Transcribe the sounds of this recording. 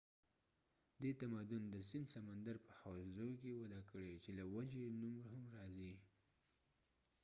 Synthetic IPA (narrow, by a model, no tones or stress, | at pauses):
d̪et̪amad̪ʊnd̪əsɪnd̪samand̪aɾpəhawszokewad̪akəɽet͡ʃelawad͡ʒenumɾahamɾɑzi